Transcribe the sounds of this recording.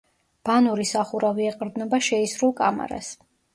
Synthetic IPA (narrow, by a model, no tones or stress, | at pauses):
b̥anuɾisaχuɾaviɛqʼɾd̪nɔbaʃɛisɾulˠkʼa̰ma̰ɾa̰s